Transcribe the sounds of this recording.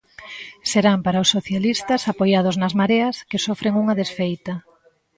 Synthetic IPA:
seɾampaɾaʊsːoθjalist̪ɐsapojað̞ʊznɐzmaɾeɐskɪsofɾeŋuŋɐðesfejt̪ɐ

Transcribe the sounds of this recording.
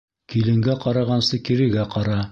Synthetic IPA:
kilɘ̆ŋɡæqɑɾɑʁɑnsɤkiɾɘ̆ɡæqɑɾɑ

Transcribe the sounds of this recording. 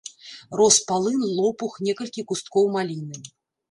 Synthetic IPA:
rɔspalˠɨnlˠɔpuxnʲɛkɐlʲkʲikust̪̚kɔwmalʲinːɨm

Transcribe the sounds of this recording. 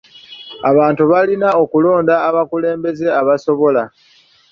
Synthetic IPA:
aβaːntuβalinao̞kulo̞ːndaːβakule̞ːmbe̞ze̞aβaso̞βo̞la

